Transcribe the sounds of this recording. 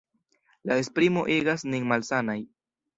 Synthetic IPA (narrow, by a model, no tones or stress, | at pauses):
laespɾimo̞ʔeɡasniŋmalsanaj